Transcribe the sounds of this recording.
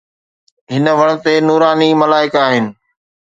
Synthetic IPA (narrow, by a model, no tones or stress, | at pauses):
ɦɪnəʋɐɽ̃̆t̪enuːɾaːniːmɐlaːɪkaːɦɪnɪ̆